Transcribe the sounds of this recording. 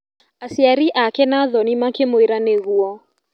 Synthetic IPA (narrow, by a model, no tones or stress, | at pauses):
asiaɾiʔakɛnaðɔnimakemoiɾaneɣuɔ